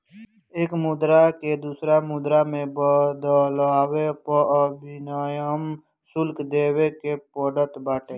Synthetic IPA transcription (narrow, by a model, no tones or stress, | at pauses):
eːkmʊd̪ɾaked̪uːsɾamʊd̪ɾamẽbd̪laːwepɔbɪnaːjam | sʊlkd̪eːwekepɔːɖət̪baːʈẽː